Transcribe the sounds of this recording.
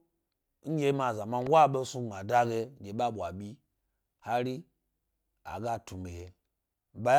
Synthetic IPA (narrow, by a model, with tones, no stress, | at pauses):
n̩˦jʲe˦ma˨za˨ma˦n˦wa˦˨ɓe˦su˦ŋ͡ma˨da˦ɡe˧˨ɡʲe˨ɓa˦ɓʷwa˨ɓʲi˦ | ha˦ɾi˦ | a̰˨ɡa˦tu˨mɡe˨he˨ | ba˦j